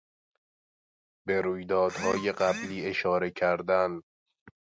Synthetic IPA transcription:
be̞ɾuːjd̪ɒːd̪hɒːje̞ɢæbliːe̞ʃɒːɾe̞cʰæɾd̪æn

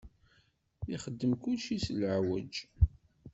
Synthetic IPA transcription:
iχəd̪ːəmkulʃisəlʕwəd͡ʒ

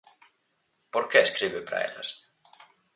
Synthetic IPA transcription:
pɔɾkʰɛːskɾiːvʏpɾa̰jla̰ɾ̥

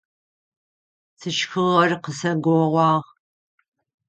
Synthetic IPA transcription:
tʰɨʃxɨʁɐrqəsɐɡʷoʁʷɑːʁ

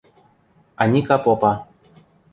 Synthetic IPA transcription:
anʲikapopa

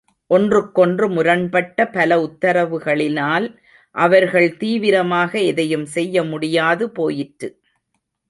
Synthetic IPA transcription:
ʔɔndrɯkːɔndrɯmʊɾɐnpɐʈːɐpɐlɐʊt̪ːɐɾɐʋɯɣɐɭɪnaːl | ʔɐʋɐɾɣɐɭt̪iːʋɪɾɐmaːɣɐɛðɐjɯmsɛjːɐmʊɽɪjaːðɯpoːjɪʈːɯ

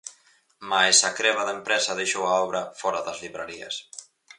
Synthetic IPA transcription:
majsakɾɛβaðaempɾɛsɐðejʃowaɔβɾafɔɾaðazliβɾaɾiɐ̰s

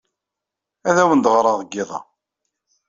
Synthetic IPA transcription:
æðæwənd̪ʁɾˤɑðˤəɡːɪðˤɑ̰

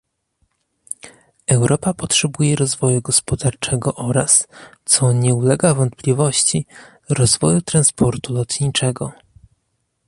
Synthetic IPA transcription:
ɛwɾʔɔpapɔtʂɛbujɛɾɔzvɔjuɡɔspɔd̪aɾt͡ʂɛɡɔʔɔɾast̪sɔɲɛulɛɡavɔnt̪plʲivɔɕt͡ɕi | ɾɔzvɔjut̪ɾanspʰɔɾt̪ulɔt̪ɲit͡ʂɛɡɔ

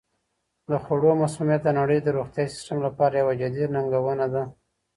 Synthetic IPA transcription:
d̪əxoɽomasumjat̪̚d̪ənaɽəjd̪əɾuxt̪jɑisɪ̥sʈamlapɑɾajawad͡ʒad̪inaŋɡawənad̪a

